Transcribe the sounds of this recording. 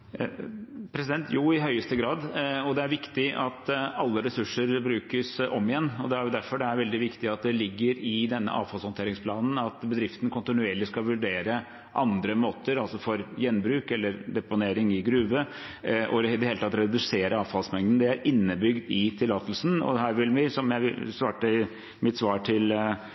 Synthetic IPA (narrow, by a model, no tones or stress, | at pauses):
pʰɾɛs̬ɪd̪ɛnt̪ʰjuːɪɦœʏəst̪əɡɾɑːd̪ɔd̪ɛæɾʋɪkt̪ɪʔɑt̪ɑlːəɾɛsʉʂəɾbɾʉːkəsɔmːɪjɛnːɔd̪ɛæɾjʊd̪æɾfɔɖɛæɾʋɛld̪ɪʋɪkt̪ɪɑt̪̚d̪ɛlɪɡːəɾɪd̪ɛnːə̰ʔɑ̰ːʋfɑlshɔnt̪ʰeːɾɪŋspʰlɑːnn̩ɑt̪bəd̪ɾɪft̪ənkʰʊnt̪ɪnʉeːɭɪskɑlʋʉɖeːɾə | ʔɑnd̪ɾəmoːt̪əɾɑlsɔfɔɾjɛnːbɾʉːkɛlːəɾd̪ɛpʊneːɾɪŋɪɡɾʉːʋə | ʔɔ̰ɪɪd̪ɛheːlət̪ʰɑt̪ɾɛd̪ʉseːɾəɑːʋfɑlsmɛŋd̪ənd̪ɛæɾɪnːəbʏɡd̪ɪt̪ʰɪlːɑːt̪lsnɔ̰d̪hæːɾʋɪlʋɪsɔmjæɪsʋɑːʈə | mɪt̪sʋɑːʈʰɪl